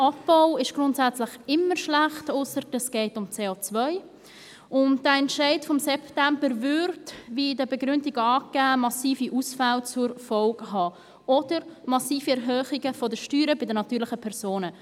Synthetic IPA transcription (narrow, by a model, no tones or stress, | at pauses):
ɑp̚b̥aʊɪʃɡ̥ɾʊntsæt͡slɪχɪmːəɾʃlæχtʊsəɾdəsɡ̥ɛɪtʊmt͡seːoːt͡svœʏ | ʔʊntd̥əɛntʃɛɪtfɔmsɛptɛmbəɾvʏɾtvidəbɛɡɾʏndɪɡəɑːɡæːmɑsiːfiʔuːsfalt͡sʊɾfɔlɡɦɑː | ʔɔd̥əɾmɑsiːfiɛɾɦœːχɪɡəfɔdəʃtyːɾəbɪdənɑtyːɾlɪχəpʰɛʁsoːnə